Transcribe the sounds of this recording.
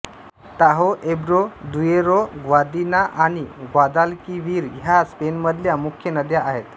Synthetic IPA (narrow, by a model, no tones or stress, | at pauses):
t̪aɦoʔebɾod̪ujeɾoɡʋad̪inaʔaɽ̃iɡwad̪alkiʋiːɾɦjaspenməd̪ʱljamukʰjənəd̪jaaɦet̪